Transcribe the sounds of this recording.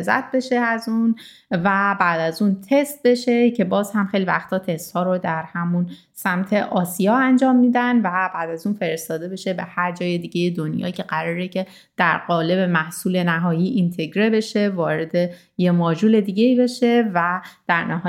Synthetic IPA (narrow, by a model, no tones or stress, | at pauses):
zæ̰t̪̚ʰbe̞ʃe̞æzun | væbæːd̪æzuːnt̪ʰe̞st̪̚be̞ʃe̞cʰe̞bɒːz̥hæmxejlivæ̰xt̪ʰɒːt̪ʰe̞st̪hɒːɾod̪æɾhæmun | sæmt̪ʰe̞ʔɒːsijɒːænd͡ʒɒːmːiːd̪ænvæbæːd̪æzuːnfe̞ɾest̪ɒːd̪e̞be̞ʃe̞be̞hæɾd͡ʒɒːje̞d̪iːɟe̞jed̪o̞njɒ̰ːcʰe̞ɢæɾɒːɾecʰe̞ | d̪̥æɾɢɒːle̞be̞mæhsuːle̞næɦɒːjiːʔint̪ʰe̞ɟɾe̞be̞ʃe̞vɒːɾe̞d̪e | jemɒːd͡ʒuːle̞d̪iːɟeiːbe̞ʃe̞væd̪̥æɾnæɦɒː